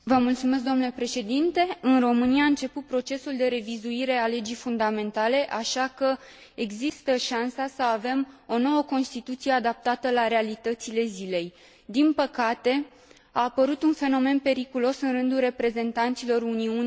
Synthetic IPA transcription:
vəmult̪sume̞s̬kd̪oomnulepɾe̞ʃe̞d̪int̪e̞ɨnro̞mɨniaɨnt͡ʃe̞put̪̚pɾo̞t͡ʃe̞suld̪e̞ɾe̞vizuiɾe̞ale̞d͡ʒijfund̪ame̞nt̪ale̞ʔaʃakə | eɡzist̪əʃansasəave̞mo̞no̞wəko̞nst̪it̪ut̪sije̞ad̪ap̚t̪at̪əlaɾe̞alit̪ət̪sile̞zile̞j | d̪inpəkat̪e̞ | aːpəɾut̪unfe̞no̞me̞npe̞ɾikulo̞sɨnrɨnd̪ulre̞pɾe̞ze̞nt̪ant̪silo̞ɾuniun

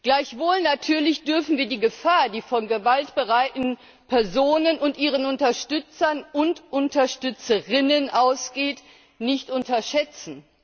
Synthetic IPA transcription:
ɡ̥laɪçv̥oːlnatʰyːɐlɪçd̥ʏɐfn̩viːɐdiːɡəfaːɐdiːfɔnɡəvaltb̥əʁaɪtn̩ | pʰɛɐzoːnənʊntʔiːʁ̞ənʊntɐʃtʏt͡sɐnʔʊntʔʊntɐʃtʏt͡səʁɪnənʔaʊsɡ̥eːt | nɪçtʔʊntɐʃɛt͡sn̩

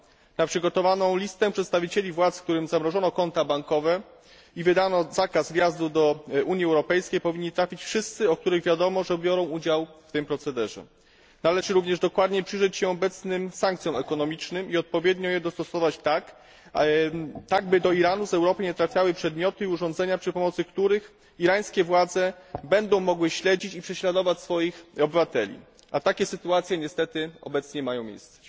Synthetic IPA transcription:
napʂɘɡɔt̪ɔvanɔ̃w̃lʲist̪ɛpʂɛt̪st̪avʲit͡ɕelʲivwat̪sfk̚t̪uɾɘmzamɾɔʐɔnɔkɔnt̪abaŋkɔvɛ | ivɘd̪anɔzakazvʲjazd̪ud̪ɔʔuɲjiɛwɾɔpɛjskʲejpɔvʲiɲːit̪ɾafʲit͡ɕfʂɘst̪sɘɔk̚t̪uɾɘɣvʲjad̪ɔmɔʐɛbʲjɔɾɔ̃w̃ud͡ʑawft̪ɘmpɾɔt̪sɛd̪ɛʐɛ̰ | nalɛʐɘɾuvɲɛʐd̪ɔkwad̪ɲɛpʂɘʐɛt͡ɕɕɛɔbɛt̪snɘmsãŋkt̪sʲjɔ̃wɛkɔnɔmʲit͡ʂnɘmiɔt̪̚pɔvʲjɛd̪ɲɔjɛd̪ɔst̪ɔsɔvat͡ɕt̪ak | t̪aɡbɘd̪ɔiɾanuzɛwɾɔpɘɲɛt̪ɾafʲjawɘpʂɛd̪mʲjɔt̪ɘiuʐɔnd̪zɛɲapʂɘpɔmɔt̪sɘkt̪uɾɘx | iɾaj̃skʲɛvwad̪zɛbɛnd̪ɔ̃w̃mɔɡwɘɕlɛd͡ʑit͡ɕipʂɛɕlad̪ɔvat͡ɕsfɔjixɔbɘvat̪ɛlʲḭ | ʔat̪akʲɛsɘt̪uat̪sʲjɛɲɛst̪ɛt̪ɘɔ̰bɛt̪sɲɛmajɔ̃w̃mʲḛjst̪sɛ̥

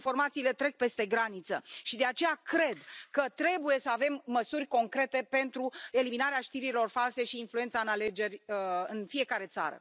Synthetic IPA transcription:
fo̞rmat̪siːle̞t̪ɾe̞k̚pe̞st̪e̞ɡɾanit̪səʃid̪e̞at͡ʃe̞jakɾe̞d̪kət̪ɾe̞buje̞səave̞mːəsurʲko̞ŋkɾe̞t̪e̞pe̞nt̪ɾue̞liminaɾeaʃt̪iɾilo̞rfalse̞ʃiːnflue̞nt̪saɨnale̞d͡ʒe̞rʲɨnfie̞kaɾe̞t̪sa̰ɾə̰

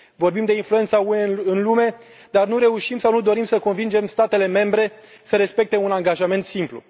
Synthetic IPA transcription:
vo̞rbimd̪e̞influe̞nt̪sauɨnlume̞ | d̪arnuɾe̞uʃimsawnud̪o̞ɾimsəko̞nvind͡ʒe̞mst̪at̪e̞le̞me̞mbɾe̞ | səɾe̞spe̞k̚t̪e̞unaŋɡaʒame̞nt̪simplṵ

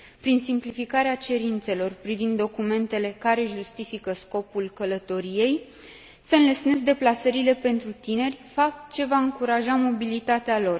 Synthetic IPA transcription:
pɾinsimplifikaɾeat͡ʃe̞ɾint̪se̞lo̞rpɾivind̪ːo̞kume̞nt̪e̞le̞kaɾe̞ʒust̪ifikəsko̞pulkələt̪o̞ɾije̞j | seɨnləsne̞zd̪e̞plasəɾile̞pe̞nt̪ɾut̪ine̞rʲfap̚t̪t͡ʃe̞vaɨŋkuɾaʒamo̞bilit̪at̪ealo̞r

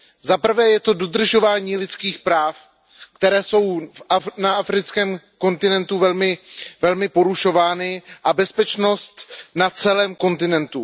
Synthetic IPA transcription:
zapr̩vɛːjɛt̪o̞do̞d̪r̩ʒo̞vaːɲiːlɪt͡skiːxpɾaːf | kt̪ɛɾɛːso̞wfanaʔafɾɪt͡skɛːmko̞nt̪ɪnɛnt̪uvɛlmɪvɛlmɪpo̞ɾuʃo̞vaːnɪʔabɛspɛt͡ʃno̞st̪nat͡sɛlɛːmko̞nt̪ɪnɛnt̪u

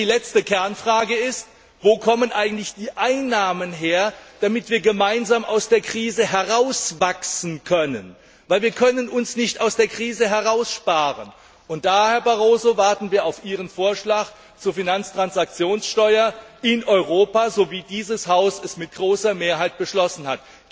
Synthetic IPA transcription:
iːlɛt͡stəkʰɛɐnfʁ̥aːɡəɪst | voːkʰɔmənʔaɪɡŋ̩tlɪçd̥iːʔaɪnːaːmənɦeːɐd̥amɪtv̥iːɐɡəmaɪnzaːmʔa̰ʊsd̥eːɐkʁ̥iːzəɦɛʁaʊsvaksn̩kʰœnən | vaɪlviːɐkʰœnənʊnsnɪçtaʊsd̥eːɐkʁ̥iːzəɦɛʁaʊsʃpaːʁə̰n | ʔʊnt̚d̥aːhɛɐbaʁoːzovaɐtn̩viːɐaʊfʔiːʁ̞ənfoːɐʃlaːk | t͡suːɐfinant͡stʁ̥ansak̚t͡sjoːnsʃtɔʏɐɪnʔɔʏʁoːpaːzoviːdiːzəshaʊsɛsmɪt̚ɡ̥ʁoːsɐmeːɐɦaɪt̚b̥əʃlɔsn̩hat

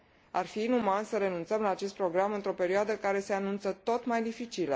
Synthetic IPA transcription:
a̰rfiːnumansəɾe̞nunt̪səmlaːt͡ʃe̞st̪pɾo̞ɡɾamɨnt̪ɾo̞pe̞ɾioad̪əkaɾe̞se̞anunt̪sət̪o̞t̪majd̪ifit͡ʃilə

